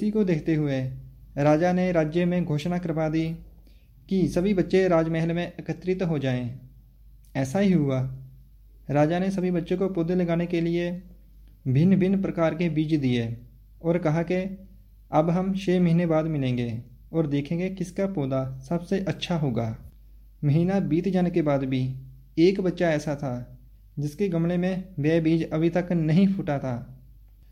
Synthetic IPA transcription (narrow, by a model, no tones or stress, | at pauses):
ɪsikod̪eːkʰt̪eɦʊe | ɾaːd͡ʒaneɾaːd͡ʒjəmẽɡʱoːʃnakəɾpad̪i | kisɐbʱibətːʃeɾaːd͡ʒmɛɦlmẽʔɐkət̪ɾɪt̪ɦod͡ʒaːẽ | ɛːsaɦiɦʊaː | ɾaːd͡ʒanesɐbʱibətːʃẽkopoːd̪ʱeləɡaːnekelɪe | bʱɪnbʱɪnpɾəkaːɾkebiːt͡ʃd̪ieː | ɔːɾkɐɦake | ɐbɦɐmt͡ʃeːməɦiːnebaːd̪mɪlẽːŋɡeː | ɔːɾd̪eːkʰẽːŋɡekɪskapoːd̪asɐbseʔɐtːʃʰaɦoːɡaː | məɦiːnabiːt̪d͡ʒaːnkebaːd̪bʱi | eːkbətːʃaɛːsat̪ʰa | d͡ʒɪskeɡɐmɽemẽbɛːbiːd͡ʒɐbʱit̪ɐknɐɦĩpʰʊʈat̪ʰaː